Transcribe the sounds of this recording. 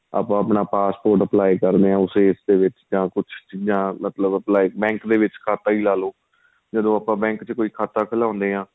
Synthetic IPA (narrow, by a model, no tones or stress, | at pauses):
a̰ːpãːəpnaːpaːspoːɾʈəplaːikəɾd̪eːãːʊseːɪsd̪eːʋɪt͡ʃd͡ʒãːkʊt͡ʃʰt͡ʃiːd͡ʒãːmət̪ləbəplaːiːbɛ̃ːŋkd̪eːʋɪt͡ʃkʰaːt̪aːiːlaːloː | d͡ʒəd̪õːaːpãːbɛ̃ːŋkt͡ʃəkoːiːkʰaːt̪aːkʰəlãːʊ̃nd̪eːãː